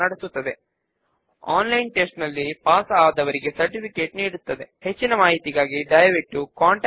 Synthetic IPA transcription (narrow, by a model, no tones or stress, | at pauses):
ɐɽisut̪ːɐd̪e̞ | aːnlɐjnʈesʈnɐlːipaːsɐaːd̪ɐʋɐɾiɡe̞sɐɾʈipʰike̞ːʈniːɽut̪ːɐd̪e̞het͡ʃːinɐmaːɦit̪iɡaːɡiɖɐjɾek̚ʈukaːɳʈ